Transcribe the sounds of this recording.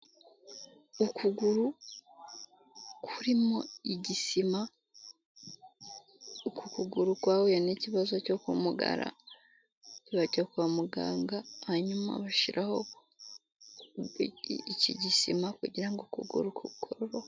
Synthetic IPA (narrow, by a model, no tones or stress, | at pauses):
ukuɡuɾu | kʰuɾimo̞iɟisima | kukuɡuɾukwaːwejaneːciβazoco̞kumuɡa̰ɾa̰ | ciβaɟokuwamuɡa̰ːŋɡahaɲuma̰βaʃiɾʔaho̞ | iciɟisimakṵɟiɾaŋɡokṵɡṵɾukuβikʰoɾoɾo